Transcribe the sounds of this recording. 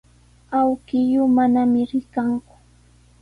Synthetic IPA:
awkɪjʊmanamɪɾɪkaŋkʊ̥

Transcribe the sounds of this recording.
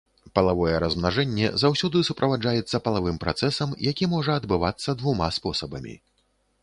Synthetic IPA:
pɐlˠavɔjɛɾɐzmnaʐɛnʲːɛ̰zawsʲɔd̪ɨsupɾʔɐvad͡ʐajɛt̪sːɐpɐlˠavɨmpɾa̰t̪sɛsɐmjakʲimɔʐɐːd̪bɨvat̪sːɐd̪vumaspɔsɐbɐmʲḭ

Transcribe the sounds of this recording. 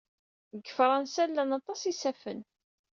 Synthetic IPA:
əɡəfɾˤɑnsælːænɑt̪ˤɑsisæfən

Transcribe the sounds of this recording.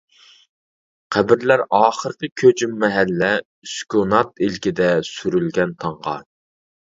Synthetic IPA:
qʰæbɪɾlæɾɑːχəɾqʲəkʲʰøt͡ʃʰymːɛɦælːɛ | yskʲonɑt̪ilkʲɪd̪ɛsyɾylɡʲɛnt̪ʰɑɴʁɑ̰

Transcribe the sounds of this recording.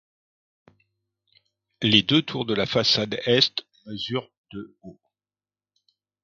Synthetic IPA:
led̪øt̪ʰuʁd̪əlafasad̪ɛst̪ | məzyʁ | d̪̥əo

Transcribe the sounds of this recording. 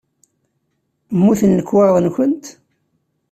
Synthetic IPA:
mːuθənːəkːwɑɾðˤənçʷənt̪

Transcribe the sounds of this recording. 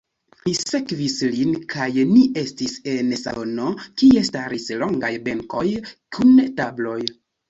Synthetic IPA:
mise̞kvislinkʰajnie̞stise̞nsa̰ono̞kie̞staɾislo̞ŋɡajbe̞ŋko̞jkʰuntablo̞j

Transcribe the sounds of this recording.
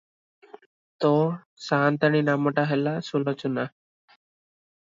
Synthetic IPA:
t̪o | saːnt̪əɳ̃iːnaməʈaɦelasulɔt͡ʃuna

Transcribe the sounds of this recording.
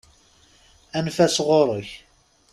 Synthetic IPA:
ænfæsʁoɾˤəç

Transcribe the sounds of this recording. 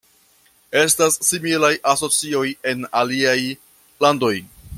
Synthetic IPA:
e̞stasːimilajʔaso̞t͡sio̞je̞naliaj | lando̞j

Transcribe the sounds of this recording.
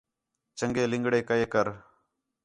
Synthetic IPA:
t͡ʃəŋɡeːlɪ̃ŋɡɽeːkəeːkəɾ

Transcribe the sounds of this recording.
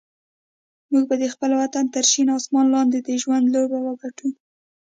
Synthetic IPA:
muɡ̚bad̪əxpəlwat̪ant̪əɾʃinɑsmɑnlɑnd̪ed̪əʒwand̪lobawəɡaʈu

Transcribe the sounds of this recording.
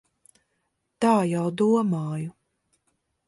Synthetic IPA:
t̪aːjawd̪uɔmaːju

